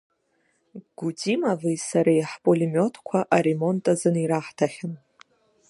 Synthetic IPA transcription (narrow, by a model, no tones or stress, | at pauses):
ɡ̥utʰimavɨjsaɾajħpʼolimʲo̞tʰkʷʰaʔaɾemo̞ntʼazɨniɾaħtʰaχʲɪn